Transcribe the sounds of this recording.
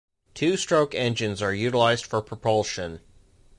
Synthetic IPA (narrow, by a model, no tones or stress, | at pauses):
tʰʉstɹ̥oʊkɛ̃nd͡ʒɨ̃nzə˞jʉɾəlaɪzd̥fə˞pʰɹ̥əpʰʌlˠʃɨ̃n